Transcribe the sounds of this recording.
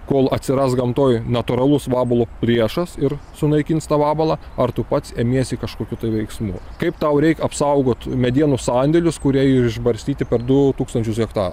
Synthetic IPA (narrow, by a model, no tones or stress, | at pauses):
koːlˠɐt̪sʲɪɾɑsɡɐmt̪oːjnɐt̪ʊɾɐlˠʊsʋɑːbɐlˠoːpʲlʲiɛʃɐsɪɾsʊnɐɪkʲiːnt̪st̪ɑːʋɑːbɐlˠɑːɐrt̪ʊpɐt̪seːmʲiɛsʲikɐʃkoːkʲut̪ɐɪʋʲɛɪksmuːkɐɪpt̪ɐʊɾʲɛɪkɐpsɐʊɡoːt̪mʲɛd̪ʲiɛnʊsɑːnʲd̪ʲɛlʲʊskʊɾʲiɛɪɪʒbɐɾʲsʲt̪ʲiːt̪ʲɪpʲɛɾd̪ʊt̪uːkst̪ɐnʲt͡ʃʲʊsɡʲɛkt̪ɑːɾ